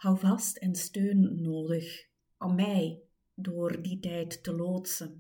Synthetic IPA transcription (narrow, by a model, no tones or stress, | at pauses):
hɑwvɑstɛnstøːnːoːdəx | ʔɔmːɛj | doːrditɛjtːəloːtsən